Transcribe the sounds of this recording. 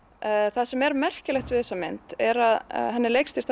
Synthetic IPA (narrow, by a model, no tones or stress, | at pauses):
θasɛmɛɾmɛr̥cɪlɛxt̪vɪðθɛsːamɪn̥t̪ɛɾað̰ɦɛnːɪlejkst̪iɾ̥t̪ʰ